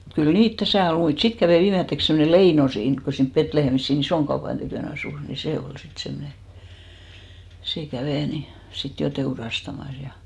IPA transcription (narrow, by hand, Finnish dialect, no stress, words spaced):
mut kyl niːt tæsæˑ ol muit sit kæʋeˑ ʋiːmetːeks semːone leino siːnk ko ko siːnp petlehemis siːn isoɑn tykøˑn ɑsuˑs ni se ol sit semne seˑ kæʋeˑ ni sit jo teurɑstɑmɑs jɑ